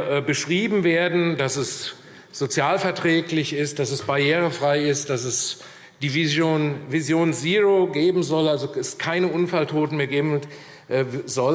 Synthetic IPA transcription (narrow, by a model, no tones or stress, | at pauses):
bəʃʁ̥iːbm̩veːɐdn̩dasɛs | z̥ot͡sjaːlfɛɐtʁ̥ɛːklɪçɪst̚d̥asɛsb̥aɐjeːʁ̞əfʁ̥aɪɪst̚d̥asɛs | d̥iːnvizjoːnziʁoɡeːbm̩zɔlalzoɛskʰaɪnəʔʊnfaltʰoːtn̩meːɐɡeːbm̩ | ʔzɔl